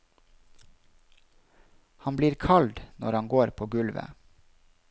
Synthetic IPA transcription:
hɑnbliːɾkʰɑld̪nɔɾɑŋɡoːɾpʰoːɡʉlʋə̰

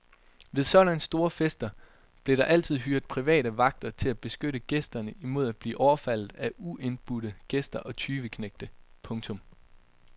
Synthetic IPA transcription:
ʋe̝ðˠsɒ̽ɾ̥ænsd̥o̝ːɐfesd̥ɐ | b̥le̝ɾ̥ɑ̈ʔæl̰t͡sʰið̰ˠɦyɐ̰d̥̚pʰʁiʋɛ̰ːɾəʋɑ̈ɡ̥̚d̥ɐt͡sʰe̝læb̥e̝sɡ̥øɾəɡ̥esd̥ɐnəʔimo̝ð̞̰ˠæd̥̚b̥lḭːʔɒʊɐfæl̰ð̩ˠæʔuʔe̝nb̥uɾ̥əɡ̥esd̥ɐʔɒ̽t͡sʰyːʋəkʰneɡ̥̚d̥əpʰɔ̽ŋt͡sʰɔ̽m

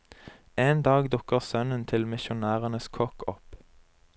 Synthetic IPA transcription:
eːnd̪ɑːɡd̪ʊkəʁsœnənt̪ʰɪlmɪʃʊnæːʁənəskʰɔkʰɔp

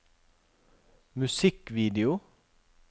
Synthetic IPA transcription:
mʉsɪkʋiːd̪ɪʊ

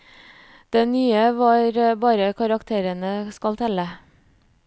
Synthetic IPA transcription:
d̪̥ɛːnyːəʋɑːɾbɑːɾəkʰɑɾɑkt̪ʰeːɾənəskɑlt̪ʰɛlə

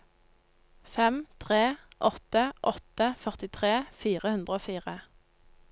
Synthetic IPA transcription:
fɛmt̪ʰʁeːʔɔt̪əʔɔt̪əfœʁt̪ɪt̪ʰʁeːfiːʁəhʉnd̪ʁəoːfiːʁə

